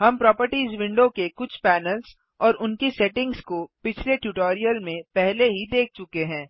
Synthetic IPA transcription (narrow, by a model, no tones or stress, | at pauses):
ɦɐmpɾɔːpəɾʈiːzʋɪ̃ɳɖokekʊt͡ʃʰpɛːnəlz | ɔːɾʊnkisɛʈɪ̃ŋɡskopɪt͡ʃʰleʈuʈoːɾijəlmẽpɛɦleɦid̪eːk̚ʰt͡ʃʊkeɦɛ̃ː